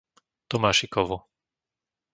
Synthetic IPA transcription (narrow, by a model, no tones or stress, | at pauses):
t̪ɔmaːʃikɔʋu